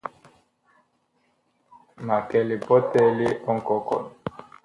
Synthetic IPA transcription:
ma˨kɛ˨le˨bɔ˦tɛ˦li˦ɔ˦ŋ˨kɔ˦kɔ̰˨n˨

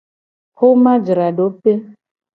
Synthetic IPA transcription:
kʰo˦ma˦d͡ʒi˨ɾa˨dɔ˨˦pe˦

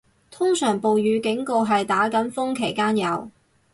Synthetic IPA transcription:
t̪ʰʊ˥ŋsœː˨˩ŋpo˨wjyː˨˧kɪ˨˥ŋko˧wɦɐ˨jt̪aː˨˥kɐ˨˥nfʊ˥ŋkʰe˨˩jkaː˥njɐ˨˧w

